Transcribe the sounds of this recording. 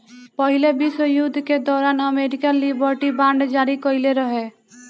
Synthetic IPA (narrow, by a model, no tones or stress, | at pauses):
pɔɦilebisəjud̪ʱked̪ɔɾanəmeɾikanlibəɾʈibaɳɖd͡ʒaɾikɔileɾɔɦe